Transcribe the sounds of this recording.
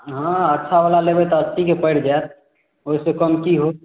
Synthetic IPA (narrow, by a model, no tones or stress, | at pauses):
ɦãətːʃʰabalalebɛt̪ɔəst̪ikepəɪɽd͡ʒaet̪̚ | oisekəmkiɦo